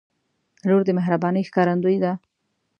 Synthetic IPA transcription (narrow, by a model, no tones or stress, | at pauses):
loɾd̪əmɪɦɾabɑnəjxkɑɾand̪ujd̪a